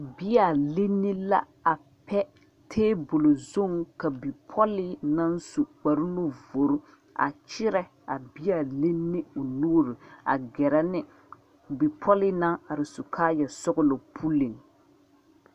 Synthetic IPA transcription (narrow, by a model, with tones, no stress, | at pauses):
bi˦ja˨le˦nːɪ˦la̰˦ | a˨ | pɛ˦ | tʰeː˦bʊ˨lo˨zo˦ŋka˨bi˨pʰɔ˦lɪ˦na˦n˦su˨k͡pa˨ɾu˦no˦vo˨ɾʊ˦ | a̰˨t͡ʃɪ˦ɾɛ˦ | a˨bi˦a˨le˦nːɪ˦ʊ˨nuː˦ɾi˨a̰˨ɡɛ˨ɾɛ˦nɪ˦ | bi˨pʰɔ˦lɪ˦na˦ŋa˨ɾɪ˨sʊ˨kʰaː˦jɛ˨sʊ˦ɣʊ˦lo˨pʰu˦li˨ŋ